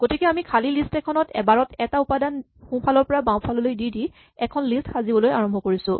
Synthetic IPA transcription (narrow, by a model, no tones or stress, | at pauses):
ɡ̥otikɛamikʰalilistɛkʰɔnɔtɛ̰baɹɔtɛtaupadan | xũpʰalɔɹpɔɹabãw̃pʰalɔlojdidi | ɛkʰɔnlistxazibɔlojaɹɔmbʱɔkoɹisʊ̃